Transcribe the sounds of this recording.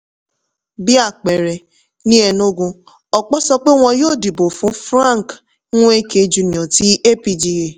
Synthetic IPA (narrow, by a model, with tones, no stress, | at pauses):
bi˦a˦˨k͡pɛ˨ɾɛ˨ | nĩ˦ɛ˧no˦ɡũ˧ | ɔ˨k͡pɔ˦sɔ˧k͡pe˦w̃ɔ̃˧joː˦˨di˨bo˨fũ˨˦fɾã˦˨ŋ˨k | nũ˦e˦ke˧d͡ʒu˨˧nĩ˨ɔ̃˨ti˦e˦pi˧d͡ʒi˧e˨